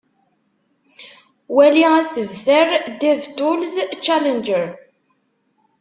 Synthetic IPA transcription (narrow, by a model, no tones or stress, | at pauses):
wæliæsəvθəɾd̪ævt̪ʊlzt͡ʃːælənd͡ʒəɾ